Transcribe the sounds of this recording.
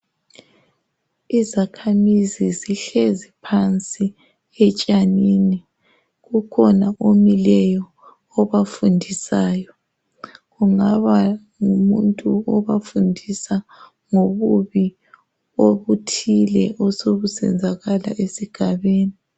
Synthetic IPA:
izakʰamiziziɬezipʰant͡sʼi | ɛt͡ʃʼanini | ɣukʰɔnaʔomilɛjɔ | ɔβafundʱisaːjɔ | ɣuŋaβa | ŋumuntʼuɔβafundʱisa | ŋoβuβi | oβutʰilɛʔɔsoβusɛ̰nd͡zʱaɣala̰ʔesiɡ̥ʱaβeːni

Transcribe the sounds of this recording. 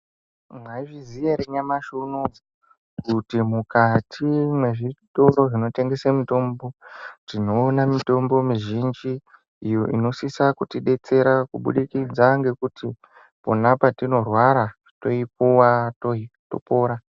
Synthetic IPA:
mwaiʐizieɾeɲamaʃono | kutimukatʰimwe̞ʐito̞ɾo̞ʐino̞te̞ŋɡe̞samito̞mbo̞tino̞ːnamito̞mbo̞miʒind͡ʒiː | joʔino̞sisakutiɗe̞t͡se̞ɾakuɓṵɗikid͡zaŋɡe̞kutʰi | ponapatino̞rwaɾa | to̞ip̚uwatoito̞̰po̞ːɾa

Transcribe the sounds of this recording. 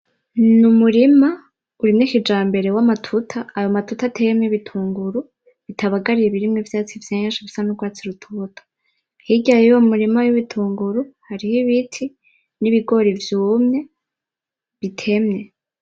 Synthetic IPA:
numuɾima | uɾimŋekid͡ʒaːmbe̞ɾe̞wamatʰutʰaːjo̞matutatʰejemɲeβitʰuːŋɡuɾu | βitʰaβaɡaɾiɾeβiɾimŋevjaːt͡siv̥jaɲaʃaβisanuɡwaːt͡siɾutʰutʰḁ | hiɟajejomuɾimawiβitʰuːŋɡuɾuhaɾihiβitʰi | niβiɡo̞ɾivjuːmɲe̞ | βitʰe̞mɲe̞

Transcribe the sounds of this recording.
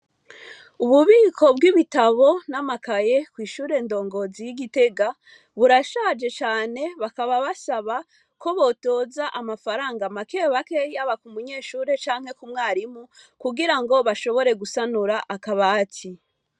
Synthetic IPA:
uβuβiːkʰo̞b̚ɡiβitaβo̞namakaje̞kwiːʃuːɾe̞ndo̞ːŋɡo̞zijiɡite̞ɡa | βuɾaʃad͡ʒe̞t͡ʃaːne̞βakaβaβasaβa | ko̞βo̞to̞ːzaʔamafaɾaːŋɡamakeβake̞jaβakumuɲe̞ːʃuːɾe̞t͡ʃaːŋ̥he̞kumŋaːɾimukuɡiɾaŋɡo̞βaʃo̞βo̞ɾe̞ɡusanuɾaʔakaβaːtʰi

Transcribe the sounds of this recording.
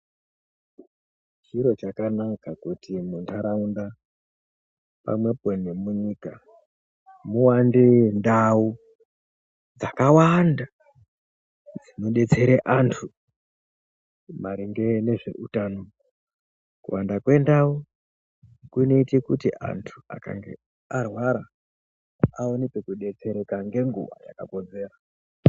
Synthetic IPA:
t͡ʃiɾo̞t͡ʃakanakakutʰimuntʰaɾaunda | pa̰mwe̞penemuɲika | muwandendau | d͡zakawanda | d͡zino̞ɗe̞t͡se̞ɾeʔantʰu | maɾiŋɡe̞ne̞ʐe̞̰utano | kṵwandakwe̞ndau | kune̞itikutiʔa̰ntʰu̥a̰ka̰ŋɡḛ | arwaɾa | aonepekuɗe̞t͡se̞ɾe̞kaŋɡe̞ŋɡṵʋa̰ja̰kako̞d͡ze̞ːra

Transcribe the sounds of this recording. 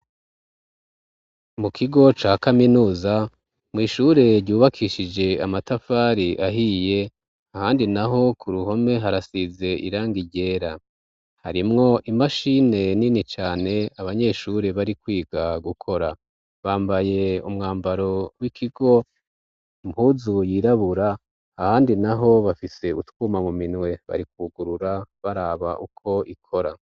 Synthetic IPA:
mukʰiɡo̞t͡ʃaːkaminuːza | mŋiːʃuɾe̞ɾɟuːβakʰiʃid͡ʒe̞amatafaːɾiʔaɦije̞ | ahaːndinaɦo̞kʰuɾuɦho̞me̞ɦaɾasize̞ḭɾaːŋɡiɟe̞ːɾa | ha̰ɾimŋo̞ʔimaʃine̞ninit͡ʃaːne̞aβaɲe̞ʃuɾeβaɾikwiːɡaɡukʰo̞ɾa | βaːmbaje̞umŋaːmbaɾo̞wikʰiɡo̞ | muːzujiːɾaβuɾaː | haːndinaɦo̞βafise̞utwuːmamuminwe̞βa̰ɾik̚uːɡuɾuɾaβaɾaːβa̰ʔukʰo̞ʔikʰo̞ɾa

